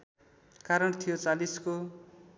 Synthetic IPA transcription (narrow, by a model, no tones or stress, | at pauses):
kaɾʌnt̪ʰijot͡salisko